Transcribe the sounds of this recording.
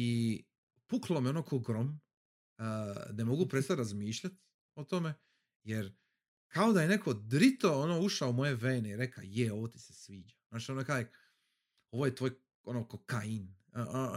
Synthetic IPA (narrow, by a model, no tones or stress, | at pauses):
i | puklˠomjo̞nokʰoɡɾom | nemo̞ɡupɾest̪aɾazmiːʃʎat̪ | o̞t̪o̞me̞ | jeɾ | kʰao̞d̪ajene̞kʰod̪ɾit̪o̞onoːuʃaoumo̞je̞ʋeːneiɾe̞ka̰jeo̞ʋot̪i̥sesʋiːd͡ʒanaːt͡ʃionokaje | o̞ʋojet̪ʋo̞ːj | onokokain